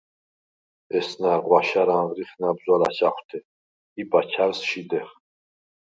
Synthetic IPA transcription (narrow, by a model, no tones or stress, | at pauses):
ɛsnaɾʁwaʃaɾaʁɾiχnabzɔɾat͡ʃaχʷt̪ʰɛ | ibat͡ʃʰaɾsʃid̪ɛχ